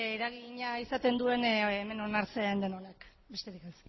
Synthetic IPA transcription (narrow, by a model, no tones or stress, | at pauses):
eɾaɣiɲaisat̪e̞nd̪ue̞nːme̞no̞naɾt͡send̪enonek | be̞st̪e̞ɾikes